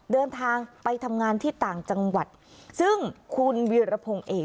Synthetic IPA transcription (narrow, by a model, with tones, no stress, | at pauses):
dɤː˧nt̪ʰaː˧ŋpa˧jt̪ʰa˧mŋaː˧nt̪ʰiː˥˩t̪aː˨˩ŋt͡ɕa˧ŋwa˨˩t̪̚ | sɯ˥˩ŋkʰu˧nwiː˧ɾa˧pʰo˧ŋʔeː˧˩